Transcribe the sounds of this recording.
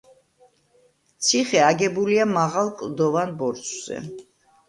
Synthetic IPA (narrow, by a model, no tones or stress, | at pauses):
t̪sʰiχɛaɡɛbuliamaʁalˠkʼlˠd̪ɔvanbɔɾsʰʼz̥ɛ̰